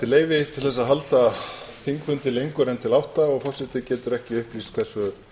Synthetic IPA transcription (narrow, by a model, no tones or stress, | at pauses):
t̪ʰɪleːjvɪt̪ʰɪlθɛsːaðɦalt̪aθiŋkfʏnt̪ɪlejŋkʏɾɛnt̪ʰɪlawht̪aɔɣfɔr̥sɪht̪ɪcɛːt̪ʏɾɛhcɪʏhpliːskʰvɛr̥sʏ